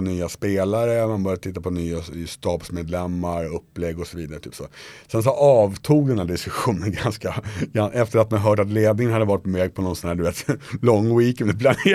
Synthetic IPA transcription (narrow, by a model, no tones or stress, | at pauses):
nyːaspeːlaɾəmanbœɾjad̪t̪ʰɪt̪ːapʰɔnyːaɪst̪ɑːbsmeːd̪lɛmːaɾɵpːlɛɡːɔsɔviːd̪aɾət̪y̰ːpso̰ːsɛns̬ɔʔɑːvt̪ʰuːɡ̚d̪ɛnhæːɖɪskɵɧuːnənɡanskaɡanɛft̪əɾat̪̚mɛaɦœːʈ̬at̪̬leːd̪nɪŋənhad̪ːəvɑːɾɪt̪̚pɔvɛːɡ̚pʰɔnɔnsɔnhæːɖ̪ɵveːt̪lɔŋːwiːkɛnd̪ɛpʰlane